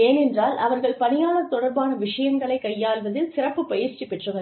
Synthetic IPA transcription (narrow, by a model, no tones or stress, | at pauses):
eːnɛndraːlɐ̰ʋɐɾɣɐɭpɐnɪjaːnɐt̪ːɔɽɐɾbaːnɐʋɪʂɐjɐŋɡɐɭɐɪkːɐjːaːlʋɐðɪlsɪrɐpːɯpɐjɪɾt͡ʃipɛʈrɯʋɐɭ